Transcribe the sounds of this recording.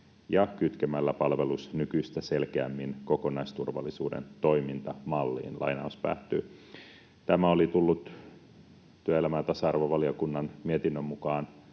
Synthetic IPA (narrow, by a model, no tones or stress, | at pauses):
jɑkyt̪kemælːæpɑlʋe̞lusnykyist̪æse̞lkeæmːinko̞ko̞nɑjst̪urʋɑ̰lːisṵːdḛnt̪o̞imint̪ɑmɑlːḭːnlʔɑ̰jnɑ̰uspæ̰ːt̪ːy̰ː | t̪æmæo̞lit̪ulːut̪ | t̪yæelæmæːt̪ɑsɑɑrʋoʋɑliokunːɑnmiet̪inːømːukɑːn